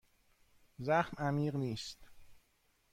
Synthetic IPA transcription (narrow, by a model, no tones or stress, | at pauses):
zæxmæmiːɢniːst̪